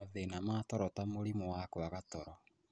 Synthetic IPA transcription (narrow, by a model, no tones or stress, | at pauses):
ðenamaːtɔɾɔtamoɾimowakwaɣatɔɾɔ